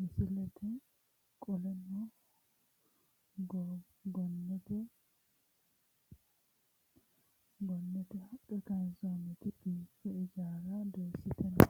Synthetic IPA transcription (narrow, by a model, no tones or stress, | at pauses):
mɪsɪlɛt̪ʰɛ | kʼɔlɛmːɔ | ɡ | ɡɔnːɛt̪ɛ | ɡɔnːɛt̪ɛhɐkʼːɛkɐnzomɛt̪ɪbiːfɛɪd͡ʒaːɾɐd̪eːsːɪt̪ɛnɐ